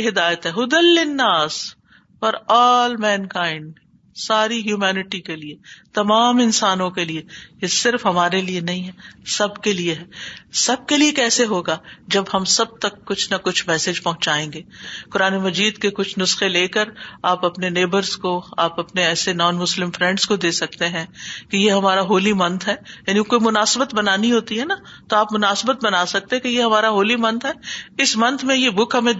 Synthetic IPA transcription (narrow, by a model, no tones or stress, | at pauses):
ɦɪd̪aːjət̪ɦɛɦʊd̪əlːɪnːaːs | fɐɾɔːlmɛ̃ːnkãːɪ̃ɳɖ | saːɾiɦjuːmɛːnɪʈikeliet̪ɐmaːmɪnsaːnõkeliejesɪɾfɦɐmaːɾelienɐɦĩɦɛsɐbkelieɦɛːsɐb̚keliekɛːseɦoːɡaːd͡ʒɐbɦɐmsɐb̚t̪ɐkːʊt͡ʃʰnɐkʊt͡ʃʰmɛːsed͡ʒpɐɦʊ̃ɲt͡ʃaːẽːŋɡeːkʊɾaːnemɐd͡ʒiːd̪kekʊt͡ʃʰnʊsxeleːkəɾaːpɐpneneːbəɾzkoaːpɐpneɛːsenɔːnmʊslɪ̃mfɾɛ̃ɳɖskod̪eːsɐk̚t̪eɦɛ̃kijeɦɐmaːɾaɦoːlimɐ̃nt̪ʰɦɛːjaːnikoːimʊnaːsɪbət̪bɐnaːniɦoːt̪iɦɛna | t̪oaːpmʊnaːsbət̪̚bɐnaːsɐk̚t̪eɦɛ̃kejeɦɐmaːɾaɦoːlimɐ̃nt̪ʰɦɛːɪsmɐ̃nt̪ʰmẽjebʊkʰɦɐmẽ